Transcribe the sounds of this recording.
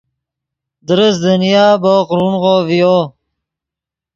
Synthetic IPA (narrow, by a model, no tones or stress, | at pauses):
d̪əɾəsd̪ənijaːboqɾunʁoːvijo